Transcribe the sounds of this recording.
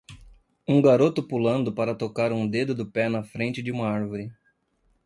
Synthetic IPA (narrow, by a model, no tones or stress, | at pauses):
ũɡaɾot̪ʊpulɐ̃nd̪ʊpaɾɐt̪okaɾũd̪ed̪ʊd̪ʊpɛnɐfɾẽnt͡ʃɪd͡ʒɪũmɐaɾvoɾɪ